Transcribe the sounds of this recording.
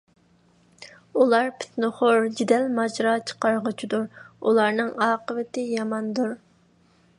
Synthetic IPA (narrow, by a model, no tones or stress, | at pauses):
ulˠɑɾpʰy̥t̪nɨχʊɾd͡ʒid̪ɛlmɑd͡ʒɾɑt͡ʃʰə̥qɑɾʁət͡ʃʰid̪uɾulˠɑɾnɨŋɑːqəvɪt̪ɪjɑmɑnd̪uɾ